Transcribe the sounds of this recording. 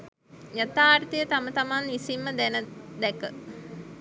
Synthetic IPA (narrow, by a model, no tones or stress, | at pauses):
jat̪aːɾt̪əjət̪amət̪amanʋisimːəd̪ɛnəd̪ɛkə